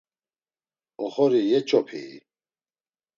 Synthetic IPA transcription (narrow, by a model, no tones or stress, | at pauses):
ɔχɔɾijɛt͡ʃʼɔpʰḭː